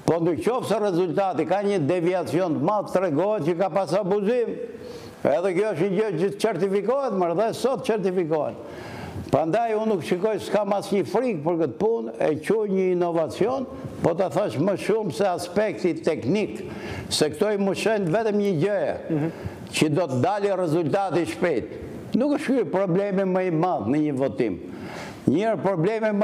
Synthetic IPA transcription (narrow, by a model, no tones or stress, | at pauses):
pɔnukt͡ʃɔfsɛrɛzult̪at̪ikaɲəd̪ɛviat͡siɔnt̪malˠt̪ət̪ɾɛɡɔɦɛt̪̚cəkapasabuzim | ɛðɛkjɔəʃɲəd͡ʑət͡ʃət̪ə̥t͡ʃɛɾt̪ifikɔɦɛt̪maɾðɛsɔt̪ə̥t͡ʃɛɾt̪ifikɔɦɛ̰t̪ | pɾand̪ajunukʃikɔjskamasɲəfɾik̚pəɾkət̪punɛ̰cuɲəinɔvat͡siɔn | pɔt̪aθaʃməʃumsɛaspɛk̚t̪it̪ɛknik | sɛkt̪ɔiməʃɛnvɛt̪əmɲəd͡ʑɛɛ̰ | cəd̪ɔt̪əd̪alirɛzult̪at̪iʃpɛjt̪ | nukəʃkypɾɔblɛmiməimaðnəɲəvɔt̪ḭm | ɲɛɾpɾɔblɛmim